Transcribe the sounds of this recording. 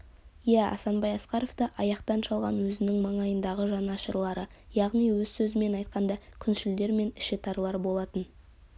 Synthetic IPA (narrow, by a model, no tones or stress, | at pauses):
jæɑ̰sɑnbɑjɑsqɑɾo̞vt̪əʔɑjɑqt̪ɑnʃɑlˠʁɑ̰nwɵzɪnɪŋmɑɴɑjənd̪ɑʁəʒɑnɑʃəɾlˠɑɾəjɑʁnijwɵzsɵzɪme̞nɑjt̪̚qɑnd̪ɑkʲʰʏnʃɪld̪e̞ɾme̞nɪʃɪt̪ʰɑɾlˠɑɾbo̞lˠɑt̪ən